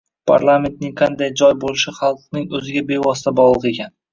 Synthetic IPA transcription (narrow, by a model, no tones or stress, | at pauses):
pʰa̰ɾlˠame̞nt̪̚nɪŋqʰɑnd̪ajd͡ʒɒjbolɪʃɪχɑlˠq̚nɪŋɵzɪɡʲabe̞vɒsɪ̥t̪ʰabɒlˠɨqe̞kʲʰan